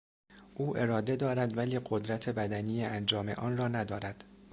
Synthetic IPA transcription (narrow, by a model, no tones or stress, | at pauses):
ʔuːʔe̞ɾɒːd̪e̞d̪ɒːɾæd̪væliːɢo̞d̪ɾæt̪ʰe̞bæd̪æniːjeʔænd͡ʒɒːme̞̰ʔɒːnrɒːnæd̪ɒːɾæd̪̥